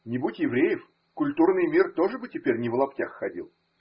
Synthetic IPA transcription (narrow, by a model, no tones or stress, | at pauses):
nʲɪbutʲjɪvɾʲejɪf | kʊlʲt̪urnɨjmʲirt̪o̞ʐɨbɨtʲɪpʲeɾʲnʲɪvəlˠɐptʲaxːɐdʲḭlˠ